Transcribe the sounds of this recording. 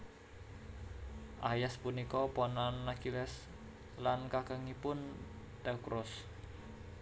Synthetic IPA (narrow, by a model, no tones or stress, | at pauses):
ʔajaspunikɔpɔnanːakilɛs | lankakəŋipʊn | t̪ɛukɾɔs